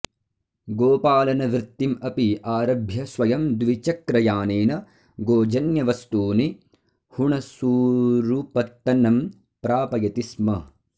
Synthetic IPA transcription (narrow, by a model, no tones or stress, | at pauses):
ɡoːpaːlɐnɐʋɾɪt̪ːimɐpiaːɾɐbʱjɐsʋɐjɐmd̪ʋit͡ʃɐkɾɐjaːneːnɐ | ɡoːd͡ʒɐnjɐʋɐst̪uːni | huɳɐsuːɾupɐt̪ːɐnɐm | pɾaːpɐjɐt̪ismɐ